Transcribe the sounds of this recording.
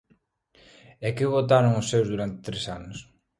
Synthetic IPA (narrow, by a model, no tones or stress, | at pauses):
ɛkɪβot̪̬aɾoŋʊsːewzðuɾant̪ɪ̥t̪ɾesanʊs